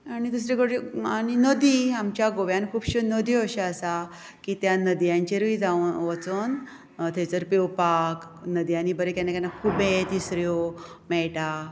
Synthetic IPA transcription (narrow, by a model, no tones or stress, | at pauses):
anid̪us̬ɾekəɽianinəd̪iamt͡ɕjaɡoʋjankʰuːbɕənəd̪iəɕeasa | kit̪janəd̪ijãɲt͡ɕeɾʋid͡zaʋət͡son | t̪ʰet͡səɾpewpak | nəd̪ijanibəɾekɛnakanakʰubet̪isɾjo | mɛɭʈa